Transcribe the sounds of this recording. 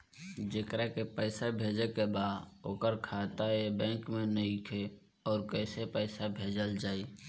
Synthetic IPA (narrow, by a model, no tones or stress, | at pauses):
d͡ʒeːkɾakepɛɪsabʱeːd͡ʒəkebaːd̪oːkəɾkʰaːt̪aebɛ̃ːŋkmẽnəĩt̪ʰe | ɔːɾkɛːsepɛːɪsabʱeːd͡ʒəld͡ʒaːiː